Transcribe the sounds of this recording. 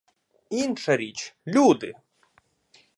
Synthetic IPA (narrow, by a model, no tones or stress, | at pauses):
inʃɐɾʲit͡ʃlʲud̪ɪ